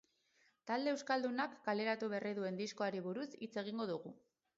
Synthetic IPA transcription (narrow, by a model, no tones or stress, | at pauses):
t̪ald̪e̞ːwskald̪unakːale̞ɾat̪uβeriðue̞nd̪isko̞aɾiβuɾusit͡se̞ɣ̞iŋɡo̞ðuɣu